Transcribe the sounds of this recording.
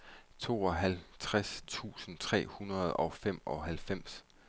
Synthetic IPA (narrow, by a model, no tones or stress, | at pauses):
t͡sʰo̝̰ːɒ̽ɦælt͡sʰʁast͡sʰṵːsn̩t͡sʰʁɛ̰ːhunʁɐð̞̩ˠɒ̽fem̰ɒ̽ɦælfem̰s